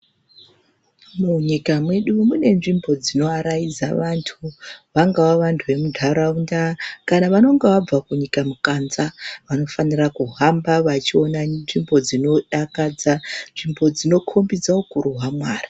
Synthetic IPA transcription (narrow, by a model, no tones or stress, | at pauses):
muɲikamwe̞ɗumune̞nʐimbo̞d͡zino̞aɾaid͡zaʋantʰuʋaŋɡawaʋantʰuʋe̞mudʱaɾaundakanaʋano̞ŋɡeʋab͡vakuɲikamukanzaʋano̞fanirakuɦambaʋat͡ʃio̞nanʐimbo̞d͡zino̞ɗakad͡zanʐimbo̞d͡zino̞kʰo̞mbid͡zaokuruɦwamwaːrḁ